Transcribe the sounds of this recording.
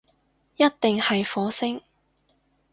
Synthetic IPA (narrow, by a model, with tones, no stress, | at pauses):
jɐ˥t̚t̪ɪ˨ŋhɐ˨jfɔː˨˥sɪ˥ŋ